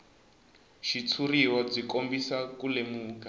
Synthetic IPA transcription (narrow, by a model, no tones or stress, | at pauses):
ʃit͡sʰuriwɔd͡zikombisakulemuːka